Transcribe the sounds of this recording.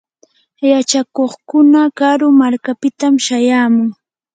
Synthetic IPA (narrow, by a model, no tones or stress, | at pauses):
jat͡ʃakoχkʊnakaɾʊmaɾkapɪt̪amʃajaːmʊŋ